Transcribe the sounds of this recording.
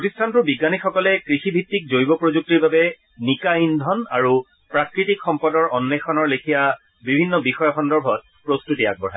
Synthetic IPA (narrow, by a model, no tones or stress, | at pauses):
pɹotistʰantʊbiɡanixɔkɔlɛkɹixibʱitːik̚zojbɔpɹozuk̚tiɹbabɛ | nikaindʱɔna̰ɹu | pɹakɹitikxɔmpɔdɔɹɔnːɛxʰɔnɔɹlekʰija | bibʱinːɔbixɔjɔxɔndɔɹbʱɔt̚pɹostutia̰k̚bɔɹ̤aj